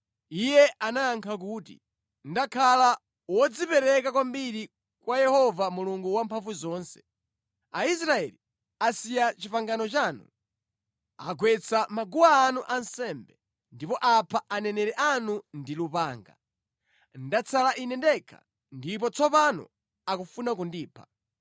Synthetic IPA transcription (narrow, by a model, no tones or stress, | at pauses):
ijɛanajːŋkʰak̬uːtḭ | ndakʰala | wɔd͡zipɛɾɛkak̬wambiɾi | kwajɛhɔvamuluŋɡuwampʰaɱvuzɔːnsɛ̥ | ais̬ɾaɛli | asijat͡ʃipaŋɡanɔt͡ʃaːnṵ | a̰ɡwɛt͡sʰamaɡuwaːnuʔansɛmbɛ | ndipɔʔapʰaʔanɛnɛɾɛʔanundilupaːŋɡa̰ | ndat͡sʰalaʔinɛndɛkʰa̰ | ndip̬ɔt͡sɔpanɔ̰ | akufunak̬undiːpʰḁ